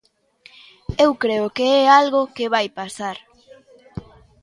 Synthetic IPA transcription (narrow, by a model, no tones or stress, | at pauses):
ewkɾeokeɛalɣokeβajpasaɾ